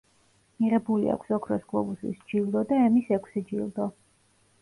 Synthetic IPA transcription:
miʁɛbulḭa̰kʰsɔkʰɾɔsɡlˠɔbusḭsd͡ʒilˠd̪ɔd̪aɛmisɛkʷʰsɛd͡ʒilˠd̪ɔ

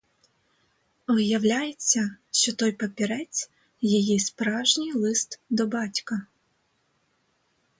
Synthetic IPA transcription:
ʋjɐwlʲajet͡sʲːɐʃt͡ʃɔt̪ɔjpɐpʲiɾɛt͡sʲ | jijispɾɑwʒnʲijlˠɪst̪d̪ɔbɑtʲkɐ

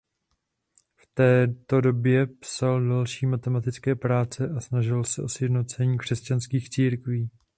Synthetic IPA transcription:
ft̪ɛːt̪o̞do̞bjɛpsaldalʃiːmat̪ɛmat̪ɪt͡skɛːpɾaːt͡sɛʔasnaʒɪlsɛʔo̞sjɛdnot͡sɛɲiːkr̥ɛscanskiːxt͡siːɾkviː

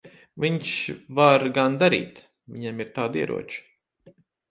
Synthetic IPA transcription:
viɲʃvaɾɡand̪aɾḭːt̪ | viɲamiɾt̪aːd̪iɛɾʔṵɔt͡ʃu̥

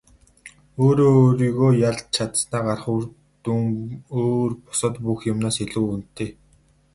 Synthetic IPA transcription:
oːɾoːɾiːɣoːjaɮ̚t͡ɕʰat̪snaːɢarχu | ŋoːrpʊ̥sə̆t̪puxjʊmnaːseɮuːun̥t̪ʰːeː

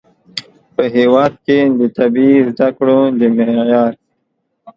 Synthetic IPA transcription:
pəɦeːwɑːd̪̚ked̪ət̪ɐbizd̪akɽod̪imejɑːɾ

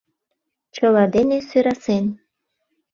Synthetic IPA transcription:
t͡ɕə̆lɑd̪enesøɾɑsen

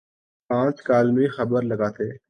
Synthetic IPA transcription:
pãːt͡ʃkaːlmĩːxəbəɾləɡaːt̪ʰeː

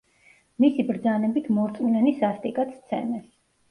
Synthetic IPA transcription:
misibɾd̪zanɛbit̪ʰmɔɾt̪sʼminɛnisast̪ʼikʼat̪st̪sʰɛ̰nɛs

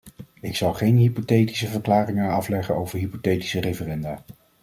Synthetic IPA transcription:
ɪksɑlˠχejnɦipotejti̥səvəɹklaːrɪŋəɑflɛχənowvəɹɦipotejti̥sərejvərɛndaː

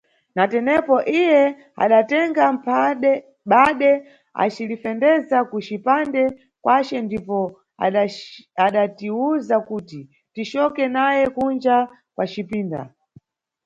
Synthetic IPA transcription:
natɛnɛpɔʔijɛ | a̰ɗatɛŋɡam̩p | ɓaɗɛ | a̰t͡ʃilifɛndɛzakut͡ʃipandɛ | kwʔat͡ʃɛndipɔ | aɗatiuzakuːti | tit͡ʃɔkɛnajɛkund͡ʒa | kwʔat͡ʃipiːnda̰

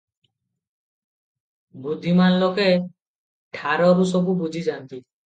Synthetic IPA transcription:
bud̪ʱːimanlɔke | ʈʰaɾɔɾusɔbubud͡ʒʱid͡ʒant̪i

